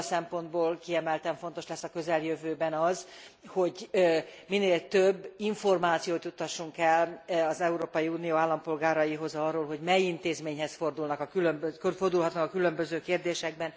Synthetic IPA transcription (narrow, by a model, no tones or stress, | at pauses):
sɛmpo̞nd̪boːlkiɛmɛlt̪ɛɱfo̞nt̪o̞ʃlɛsːɒkø̞zɛljøvøːbɛnɒzho̞ɟ | mineːlt̪øbːiɱfo̞rmaːt̪sijoːt̪jut̪ːɒʃːuŋkɛlɒzɛuɾoːpɒjiuːnijoːaːlːɒmpo̞lɡaːɾɒjiɦo̞zɒrːoːlɦo̞ɟmɛjint̪eːzmeːɲɦɛsfo̞rd̪ulnɒkɒkylømbøkøfo̞rd̪ulɦɒt̪nɒkɒkylø̞mbøzøːkeːrd̪eːʃɛɡ̚bɛn